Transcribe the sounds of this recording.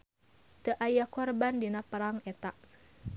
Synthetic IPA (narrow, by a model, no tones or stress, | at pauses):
t̪əʔajakɔrbandinapəɾaŋɛt̪aʔ